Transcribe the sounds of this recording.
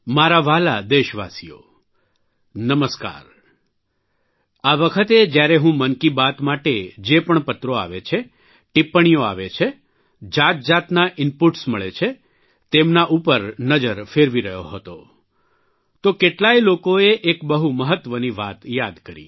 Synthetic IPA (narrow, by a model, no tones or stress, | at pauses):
maɾaʋalad̪eʃʋa̰sijo̰ | nəməska̰ɾ | aʋəkʰət̪ed͡ʒjaɾeɦũmənkibat̪maʈed͡ʒepəɳpət̪ɾoa̰ʋet͡ʃʰe | ʈipːəɳ̃ijoa̰ʋet͡ʃʰe | d͡ʒat̪̚d͡ʒat̪naʔɪnpuʈsməɭet͡ʃʰe | t̪emnaʔupəɾnəd͡ʒəɾfeɾʋiɾəɦjoɦət̪o̰ | t̪okeʈlajlokoeʔekbəɦuməɦət̪ʋəniʋat̪jad̪kəɾḭ